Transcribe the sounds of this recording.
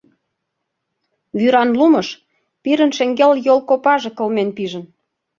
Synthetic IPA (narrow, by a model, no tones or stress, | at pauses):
βyɾɑnlumɤʃ | piɾə̆nʃĕŋɡeljolkopɑʒĕkɤ̆lmenpiʒə̆n